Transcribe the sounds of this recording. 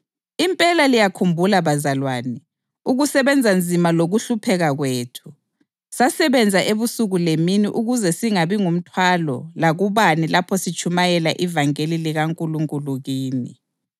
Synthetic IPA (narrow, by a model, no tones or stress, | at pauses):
impʼɛlalijakʰumbʱulaβazalwaːnɛ | uɣusɛβɛnd͡zʱand͡zʱimaloɣuɬupʰɛɣaɣweːtʰu̥ | sasɛβɛnd͡zʱaʔeβusuɣuleminiʔuɣuzɛsiŋaβiŋum̩tʰwalɔ̰laɣuβanilapʰɔsit͡ʃʰʼumajɛlaʔivaŋeliliɣaŋkʼuluŋkʼuluɣiːni